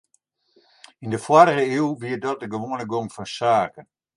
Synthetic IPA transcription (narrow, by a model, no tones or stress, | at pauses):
indəfwaɾəɣəiwʋiət̚dɔt̚dəɡəʋoənəɡoŋfɔnsaːkən